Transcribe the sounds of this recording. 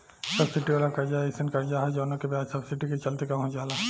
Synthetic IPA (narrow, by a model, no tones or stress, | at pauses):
sɐbsiʈialakɐɾd͡ʒaːeɪsənkɐɾd͡ʒaːɦɛd͡ʒoːnə̃kebaːd͡ʒ̪sɐbsiʈiket͡ʃɐlt̪ekamɦõd͡ʒaːla